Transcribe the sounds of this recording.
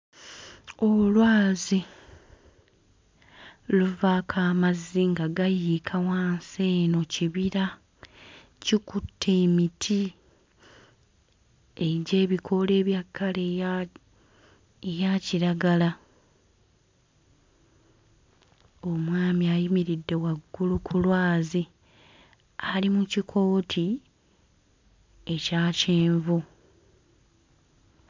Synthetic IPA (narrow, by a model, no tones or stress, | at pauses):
o̞lwaːzi | luvaːkʰaːmaziŋɡaɡajikʰawaːnse̞ːno̞ciβiɾa | cikutʰːe̞ːmitʰi | eɟe̞ːβikʰo̞le̞ːβjakːale | ejaciɾaɡala | o̞mwaːmiajimiɾidːe̞waɡːulukʰulwaːzi | alimucikʰo̞ːtʰi | e̞caːceːɱvu